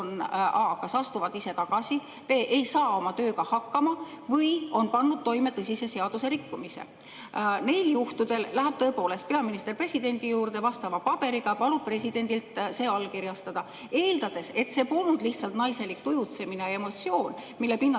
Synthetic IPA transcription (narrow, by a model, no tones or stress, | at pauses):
nɑːkɑsɑst̪uvɑt̪ise̞t̪ɑɡ̥ɑsi | pe̞ːʔejsɑːo̞mɑt̪ø̞ːɡɑhɑkːɑmɑ | vɤjo̞npɑnːud̪̚t̪o̞jme̞t̪ɤsʲise̞se̞ɑd̪̥use̞ɾikːumisḛ | ne̞jljuht̪ud̪̥e̞llæɦæb̥̚t̪ɤ̞epo̞ːle̞st̪pe̞ɑminist̪e̞rpre̞sʲid̪̥e̞nʲd̪ijuːɾd̪e̞vɑst̪ɑvɑpɑb̥e̞ɾiɡ̥ɑpɑlub̥̚pre̞sʲid̪̥e̞nʲd̪̥ilt̪se̞ːɑlːkiɾjɑst̪ɑd̪̥ɑ | e̞ːld̪ɑd̪̥e̞se̞t̪se̞polnud̪̥liht̪sɑlt̪nɑjse̞lik̚t̪ujut̪se̞minejɑemo̞t̪sio̞ːnmilːepinːɑ